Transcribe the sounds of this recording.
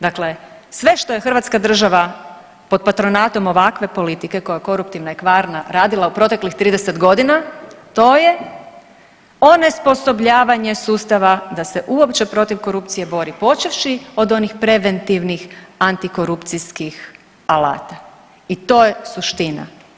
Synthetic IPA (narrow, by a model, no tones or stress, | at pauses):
d̪akle̞sʋe̞ʃt̪o̞jexr̩ʋaːt̪skad̪r̩ʒaʋa | po̞d̪̚pat̪ɾo̞nat̪o̞mo̞ʋakʋe̞po̞lit̪ike̞ko̞jako̞ɾupt̪iʋnajekʋaːɾnaɾaːd̪ilˠaupɾo̞t̪e̞klixt̪ɾiːd̪eset̪ɡo̞d̪inat̪oːje̞ | o̞ne̞spo̞so̞bʎaːʋaɲe̞suːst̪aʋad̪ase̞ʔuopt͡ʃe̞pɾo̞t̪iʋko̞ɾupt̪sije̞bo̞ɾipo̞t͡ʃiʋʃio̞d̪o̞nixpɾe̞ʋe̞nt̪iʋnixant̪iko̞ɾupt̪siskix | ala̰ːt̪a | it̪o̞jesuʃt̪ina̰